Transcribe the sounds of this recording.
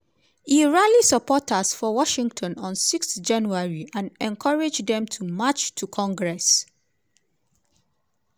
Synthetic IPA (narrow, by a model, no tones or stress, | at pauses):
iɹalisəpʰɔtʰasfɔwɔʃɪ̃ŋɡtʰɔ̃nɔ̃nsiksθd͡ʒãnuaɹiʔãnɛ̃nkʰaɹed͡ʒdɛ̃mtʰumat͡ʃtʰukʰɔ̃ŋɡɹɛs